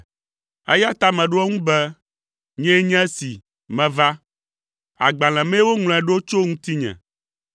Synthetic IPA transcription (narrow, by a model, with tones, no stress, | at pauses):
ɛ̰˦ja˦t̪a˦mɛ̃˨ɖo˦ɛ˦ŋũ˦bɛ˦ | ɲɛ̃˦ɲɛ̃˦si˨ | mɛ̃˨va˦ | a̰˨ɡ͡ba˨l̃ɛ̃˨mɛ̃˦wo˦ŋlɔ̃˨ɛ˨ɖo˦t͡ʃo˦ŋũ˦t̪i˦ɲɛ̰̃˨